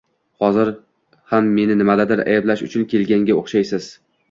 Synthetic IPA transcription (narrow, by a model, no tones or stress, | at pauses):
hɒzɪɾ | hamːe̞nɪnɪmad̪ad̪ɪɾa̰jablaʃʊt͡ʃʰʊnkʲʰe̞lɡʲaŋɡʲaoχʃajsɪz̥